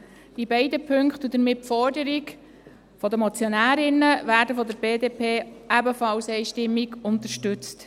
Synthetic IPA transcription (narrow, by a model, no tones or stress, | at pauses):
ibɛɪdəpʰɵŋkt̪ud̪əɾmɪtfɔɾdəɾiɡ | fɔd̪əmɔt͡sjɔnæːɾɪnəʋæːɾdəfɔd̪əɾbeːdeːpʰeːʔæbəfɑlsɛɪʃtɪmːiɡʊnt̪əɾʃtʉt͡st